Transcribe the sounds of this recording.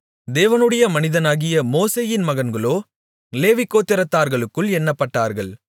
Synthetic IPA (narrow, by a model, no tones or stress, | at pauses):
d̪eːʋɐnɯɽɐjɐmɐnɪðɐnaːɣɪjɐmoːseːjɪnmɐɣɐnɡɐɭoː | leːʋɪkːoːt̪ːɪɾɐt̪ːaːɾɣɐɭɯkːɯɭɛnːɐpːɐʈːaːɾɣɐɭ